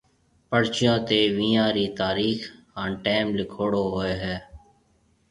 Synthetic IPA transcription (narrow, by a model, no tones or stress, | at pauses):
pəɽt͡ʃɪjõːt̪eːʋĩːãːɾiːt̪aːɾiːx | ãːnʈeːmlɪkʰoːɽoːɦoːeːɦɛː